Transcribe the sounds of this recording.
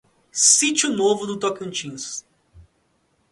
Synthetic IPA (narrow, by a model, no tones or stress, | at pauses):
sit͡ʃʊnovʊd̪ʊt̪okõt͡ʃĩs